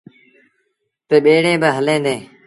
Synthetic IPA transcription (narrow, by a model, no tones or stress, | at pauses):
p̪ɪːɓeːɽẽːbəɦəlẽːnd̪ẽː